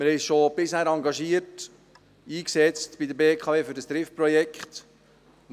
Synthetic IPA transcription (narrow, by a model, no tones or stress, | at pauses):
mɪɾhɛɪʃob̥ɪshæːɾɑŋɡɑʃiət | iːksɛt͡stb̥id̪əbeːkʰχɑveːfʏɾdəst̪ɾɪfpɾɔjɛkχt̪